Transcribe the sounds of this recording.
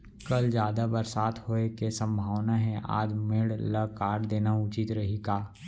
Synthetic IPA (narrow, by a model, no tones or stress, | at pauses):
kəld͡ʒjaːd̪abəɾsaːt̪ʰhoːekesə̃mbʱaːʋnaɦɛʔa̰ːd͡ʒmeɽləkaːʈd̪eːnaʊt͡ʃɪt̪ɾɐɦikaː